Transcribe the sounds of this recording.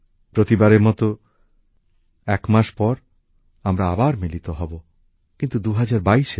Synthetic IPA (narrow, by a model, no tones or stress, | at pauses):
pɾot̪ibaɾeɾmɔt̪o | ɛkmaʃpɔɾ | amɾaabaɾmilit̪oɦɔbo | kint̪ud̪uɦad͡ʑaɾbaiʃe